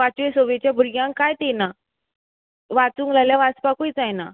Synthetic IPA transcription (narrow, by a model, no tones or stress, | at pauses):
at͡ɕʋesoʋet͡ɕjabʱuɾɡjãŋkkajt̪ena | ʋat͡suːŋɡlajljaʋat͡spakujt͡sajna